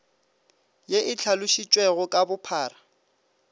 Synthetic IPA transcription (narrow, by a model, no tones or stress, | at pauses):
jeʔɪt͡ɬʰalʊʃit͡ʃʼwɛɣʊkʼabʊpʰaːra